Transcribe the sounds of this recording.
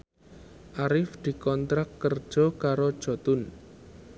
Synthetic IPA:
ʔaɾɪfd̪̥i̤kɔnt̪ɾakːərd̥ʒ̥ɔkaɾod̥ʒ̥ɔ̤t̪ʊn

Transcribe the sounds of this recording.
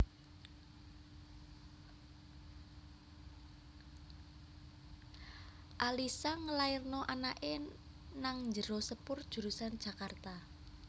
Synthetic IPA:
ʔalisaŋəlaɪrnɔʔanaʔe | naŋnd͡ʒəɾosəpʊrd̥ʒ̥ṳɾusand̥ʒ̥a̤kart̪a

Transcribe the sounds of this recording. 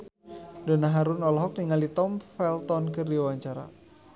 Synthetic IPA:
dɔnaɦaɾunɔlɔɦɔk̚niŋalit̪ɔmfɛlt̪ɔnkərdiwaɲt͡ʃaɾa̰

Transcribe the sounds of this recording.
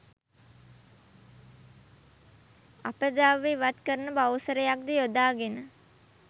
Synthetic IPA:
a̰pəd̪aʋːeʋat̪kəɾənəbawsəɾəjak̚d̪əjod̪aːɡenə

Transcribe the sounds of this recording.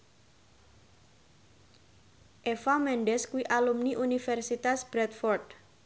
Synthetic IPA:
ʔefamɛɳɖɛskuiʔalumniʔunifɛrsit̪asb̥ɾɛt̪fɔrd̪

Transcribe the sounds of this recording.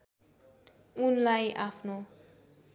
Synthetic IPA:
unlajʔapʰno

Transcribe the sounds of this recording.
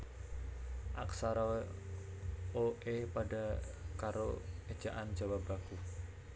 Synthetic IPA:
ʔaksaɾa | oʔepaɖa̤kaɾoed̥d͡ʒ̥a̤ʔand͡ʒawap̚baɡ̥u

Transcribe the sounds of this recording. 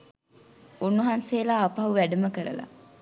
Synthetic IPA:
unːuɦanseːlaːɐpɐɦuʋæɖəməkəɾə̰la̰

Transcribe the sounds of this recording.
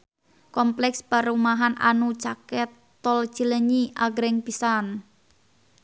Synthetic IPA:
kɔmplɛkspaɾumaɦana̰nut͡ʃakɛt̪ː | ɔl̥t͡ʃələɲiʔaɡɾɛŋpisan

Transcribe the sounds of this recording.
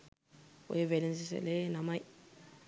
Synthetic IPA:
wḛevelinsisa̰lenamaj

